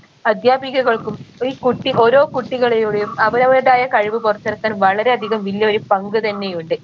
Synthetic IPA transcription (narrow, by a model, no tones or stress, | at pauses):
ɐd̪ʱjaːbiɣɐɣɐɭkumiːkuʈːiʔo̞ɾo̞ːkuʈːiɣɐɭejoːɽejumɐʋɐɾɐʋɐɾɐɽaːjɐkɐɻiʋɨpurɐt͡ɕ̪ːɐɾɐkːaːnʋɐɭɐɾe̞ɐd̪ʱiɣɐmʋilːjɐoɾupɐŋɡɨt̪ɐnːe̞juɳɖɨ